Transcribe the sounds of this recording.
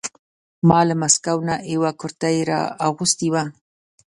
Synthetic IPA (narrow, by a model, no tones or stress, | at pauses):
malamaskawnaʔewakʊɾt̪ajɾa̰awɢʊst̪iwa